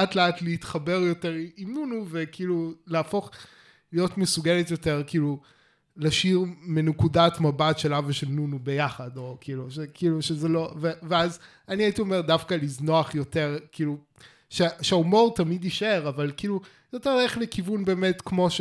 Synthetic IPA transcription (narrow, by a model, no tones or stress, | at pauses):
atleatleitχabe̞ʁjo̞teʁiimnunuvekiiːluleafo̞χ | lijo̞tmesuɡeletjo̞te̞ʁkiːlu | laʃiʁmenekudatmabatʃe̞lavaʃelnunube̞jaχado̞kiːluʃekiːluʃezelo̞veveaz | aniaitio̞me̞ʁdafkalizno̞aχjo̞te̞ʁkiːlu | ʃeʃeaumo̞ʁtamidiʃe̞ʁavalkiːlu | jo̞te̞ʁeχlekivunbe̞ːme̞tkmo̞ʃ